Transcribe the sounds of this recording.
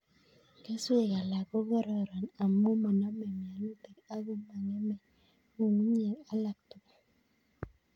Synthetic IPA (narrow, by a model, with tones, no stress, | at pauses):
ke˦su˦e˨ja˨la˨ɡo˦ɣɔ˦ɾɔ˦˨ɾɔ˨na˨mo˦mɔ˨nɔ˦mɛ˨m˨a˨nu˦te˨ka˦ɡu˦ma˨ŋɛ˦mɛ˨ | u˦˨ŋu˦ɲ˦e˨ŋa˨˦la˨k̚tu˨k